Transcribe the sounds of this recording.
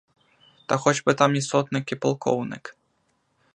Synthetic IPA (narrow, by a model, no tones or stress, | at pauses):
t̪ɐxɔd͡zʲbɨt̪amist̪ɔt̪nɨkʲipɨlˠkʰɔ̰wnɨ̰k